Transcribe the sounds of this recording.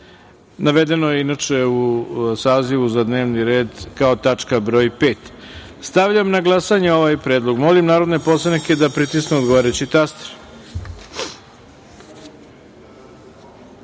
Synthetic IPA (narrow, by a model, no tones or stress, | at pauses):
naʋed̪e̞nojeinat͡ʂeusaːziʋuzad̪ne̞ːʋniɾe̞ːd̪kaot̪at͡ʂkabɾo̞ːjpe̞ːt̪ | st̪aʋʎamnaɡlˠasaɲeo̞ʋajpɾeːd̪lˠoɡmo̞limnaːɾo̞d̪ne̞po̞sˠanike̞d̪apɾit̪isneod̪ɡoaːɾet͡ɕit̪ast̪ɾ